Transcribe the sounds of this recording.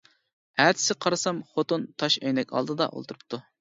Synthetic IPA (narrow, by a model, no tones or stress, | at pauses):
æɾt̪ʰɪ̥sɪqʰɑɾɨsɑmχot̪ont̪ʰɑʃɛjnɛkʲɑ̰lˠd̪ɨd̪ɑ̰ʔo̰lˠt̪ʰuɾup̚t̪ʰu